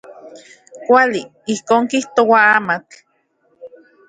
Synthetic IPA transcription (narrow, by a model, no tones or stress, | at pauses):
kʷali | ihkoːŋkiht̪owaamat͡ɬ